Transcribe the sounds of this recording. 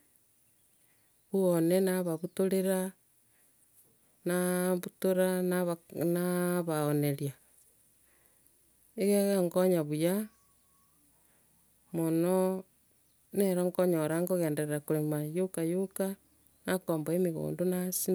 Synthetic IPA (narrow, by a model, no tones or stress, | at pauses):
βuonenaβaβutoɾeɾa | naβutoɾanaβanaβaoneɾja | eɣeɣeŋɡoɲaβuja | mono | neɾoŋɡoɲoɾaŋɡoɣeːndeɾeɾakuɾemajokajoka | nakoːmboemeɣo̰ːndonasi